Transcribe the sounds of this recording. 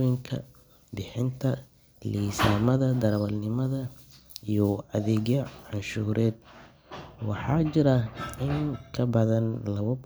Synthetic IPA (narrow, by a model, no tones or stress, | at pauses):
jɪŋkʰɐ̰ | bɪħɪnt̪ʰɐ | liːsaːmɐðɐd̪ɐɾɐwɐlnɪmɐðɐ | ijɔɐðɛːɣjɐʕɑnʃuːɾʔɛːd̪̚ | wɑħɑːt͡ʃɪɾɐɪŋkʰɐbɐðɐnlɐɣʊb